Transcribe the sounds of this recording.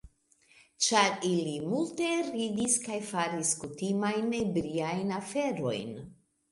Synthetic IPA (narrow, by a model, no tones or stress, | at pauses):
t͡ʃaɾilimulte̞ɾidiskajfaɾiskutimajnebɾiajnafe̞ɾo̞̰jn